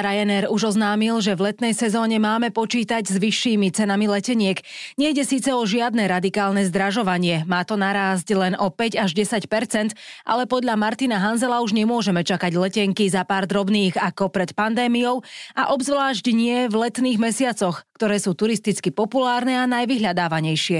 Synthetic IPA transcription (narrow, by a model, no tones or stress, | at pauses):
ɾajɛnɛɾuʒɔznaːmilʒɛvlɛt̪nɛjsɛzɔːɲɛmaːmɛpɔt͡ʃiːt̪aɟzʋiʃːiːmit͡sɛnamilɛcɛɲɪɛɡɲɛjɟɛsiːt͡sɛɔʒɪad̪nɛɾad̪ikaːlnɛzd̪ɾaʒɔʋaɲɪɛmaːt̪ɔnaɾaːz̬ɟlɛnʔɔpɛɟaʒɟɛsacpɛɾt͡sɛnt̪ʔa̰lɛpɔd̪ʎamaɾt̪inaɦanzɛlauʒɲɛmʊɔʒɛmɛt͡ʃakaɟlɛcɛŋkizapaːɾd̪ɾɔbniːɣakɔpɾɛt̪pand̪ɛːmijɔʊaʔɔbzʋlaːʒɟɲɪɛvlɛt̪niːɣmɛsɪat͡sɔxkt̪ɔɾɛːsuːt̪uɾist̪it͡skipɔpulaːɾnɛanajʋiɦʎad̪aːʋaɲɛjʃɪɛ